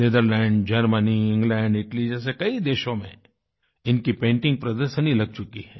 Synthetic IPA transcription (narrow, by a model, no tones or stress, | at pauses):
ned̪əɾlɛ̃ːɳɖd͡ʒɐɾməniɪ̃ŋɡlɛ̃ːɳɖɪʈlid͡ʒɛːs̬ekɐid̪eːʃõmḛ̃ | ɪnkipẽːɳʈɪ̃ŋɡ̚pɾɐd̪əɾʃənilɐɡ̚t͡ʃʊkiɦɛː